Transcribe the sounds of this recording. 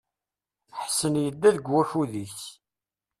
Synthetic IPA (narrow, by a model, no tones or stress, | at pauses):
ħsːənjəd̪ːæðɡwæfuðiθ